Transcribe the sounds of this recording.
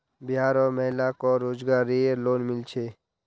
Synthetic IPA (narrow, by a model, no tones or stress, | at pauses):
bjaːɾɔːmɛɦlakɔːɾoːzɡaːɾieloːnmɪlt͡ʃʰeː